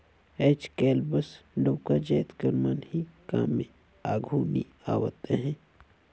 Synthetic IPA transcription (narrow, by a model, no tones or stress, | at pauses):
ɛːt͡ʃkɛːlbəsɖoːkad͡ʒɛːt̪kəɾmaːnhikaːmːẽ | aːɡʱunḭ | a̰ːwə̰t̪eɦɛ̃ː